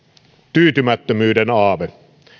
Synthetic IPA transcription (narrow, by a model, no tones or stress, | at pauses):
t̪yːt̪ymæt̪ːømyːdenɑːʋe